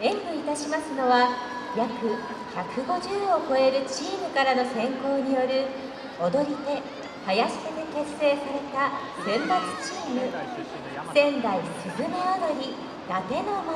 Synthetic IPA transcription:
ẽ̞ŋkɯit̪aɕimasɨno̞βa | jakɯ̟ | çakɯ̟ɡo̞ʑɨːo̞ko̞e̞ɾɯ̟t͡ɕiːmɯ̟kaɾano̞sẽ̞ŋko̞ːɲ̟ijo̞ɾɯ̟ | od̪o̞ɾʲit̪e̞ | hajaɕi̥tet̪eke̞se̞ːsaɾe̞t̪a | sẽ̞mbat͡sɨ̥t͡ɕiːmɯ̟ | sẽ̞nd̪aisɨɡɯnead̪oɾʲi | j̪at̪e̞noma

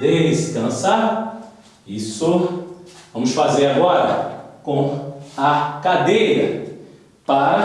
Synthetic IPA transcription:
d̪esɪ̥kɐ̃saɾ | isʊ | vɐ̃mʊsfazeɾaɡɔɾɐ̰kõɐkad̪ejɾɐ | paɾɐ

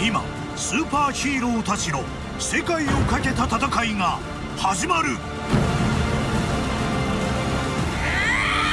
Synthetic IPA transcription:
ima̰ | sɨːpaːɕiːɾoːt̪at͡ɕino̞ | se̞kaio̞kake̞t̪at̪at̪akaiŋa | haʑimaɾɯ̟

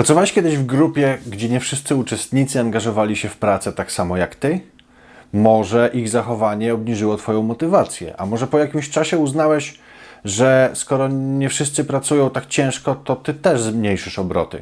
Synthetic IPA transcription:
pɾat̪ɔvawɛʂkʲɛd̪ɘʑvɡɾupʲjɛɡd͡ʑɛɲɛfʂɘst̪sɘut͡ʂɛst̪ɲit̪sɘaŋɡaʐɔvalʲiɕɛfpɾat̪sɛt̪aksamɔjakt̪ɘ | mɔʐɛʔiɣzaxɔvaɲɛɔbɲiʐɘwɔt̪fɔjɔ̃w̃mɔt̪ɘvat̪sʲjɛ̰ʔa̰mɔʐɛpɔjakʲimɕt͡ʂaɕɛuznawɛɕ | ʐɛskɔɾɔɲɛfʂɘst̪sɘpɾat̪sujɔ̃w̃t̪akt͡ɕɛ̃w̃ʂkɔt̪ɔt̪ɘt̪ɛʐzmɲejʂɘʂɔbɾɔ̰t̪ɘ̰

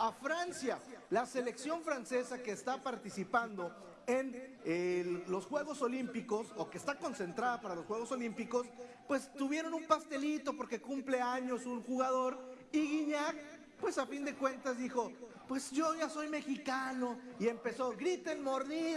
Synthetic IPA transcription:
afɾansjalase̞le̞ksjo̞ɱfɾanse̞sake̞ːst̪apaɾt̪isipand̪o̞ | e̞nelo̞sxwe̞ɣ̞o̞so̞limpiko̞so̞keːst̪ako̞nse̞nt̪ɾaðapaɾalosxwe̞ɣo̞so̞limpiko̞s | pwe̞st̪uβje̞ɾo̞numpast̪e̞lit̪o̞po̞ɾke̞kumple̞aɲo̞sunxuɣaðo̞ɾ | iɣiɲak̚ | pwe̞safind̪e̞kwe̞nt̪azðixo̞ | pwe̞sʝo̞ʝaso̞jme̞xikano̞ie̞mpe̞so̞ɣɾit̪enmo̞ɾði

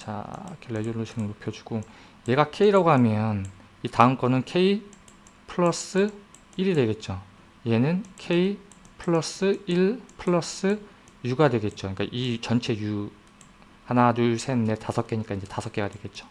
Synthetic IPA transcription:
t͡ɕa̰kʰelːeduːoɕʰiŋɯɭnopʰjʌd͡ʑu̥ɡ̥o | je̞ɡakʰe̞iɾaɡoɦamjʌn | itaɯmk͈ʌnɯnkʰe̞i | pʰɯɭʌs͈ɯ | iɾidwe̞ɡe̞t̚t͡ɕ͈o | je̞nɯnkʰe̞i | pʰɯɭːʌs͈ɯiɭpʰɯɭːʌs͈ɯ | juɡadwe̞ɡe̞t̚t͡ɕ͈oɲik͈aʔit͡ɕʌnt͡ɕʰe̞ju | hanaduɭsʰe̞nne̞tasʰʌk͈e̞ɲik͈aind͡ʑe̞tasʰʌk͈e̞ɡadwe̞ɡe̞t̚t͡ɕ͈o̥

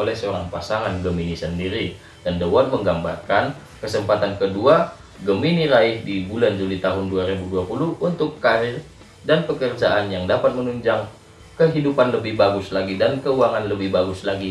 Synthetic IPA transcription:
olɛhsəoɾaŋpasaŋanɡəminisəndiɾi | d̥andəwarməŋɡambarkan | kəsəmpat̪ankədua | ɡəminiɾaɪhdibuland͡ʒulit̪aɦʊnduaɾibuduapuluhunt̪ʊkːaɾɪr | danpəkərd͡ʒaʔanjaŋdapat̪̚mənuɲd͡ʒaŋ | kəɦidupanləbɪhbaɡʊslaɡidankəuaŋanləbɪhbaɡʊslaɡi

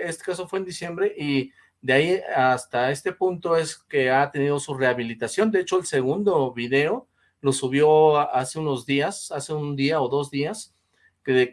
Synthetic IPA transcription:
est̪ekaso̞fwe̞ːnd̪isje̞mbɾe̞ʔi | ðeaiast̪ae̞st̪e̞punt̪o̞e̞ske̞at̪e̞nið̞o̞sure̞aβilit̪asjo̞nd̪eet͡ʃoelse̞ɣ̞und̪o̞βiðe̞o̞ | lo̞suβ̞jo̞ase̞uno̞zðiasase̞und̪iao̞ðo̞zðias | keðe

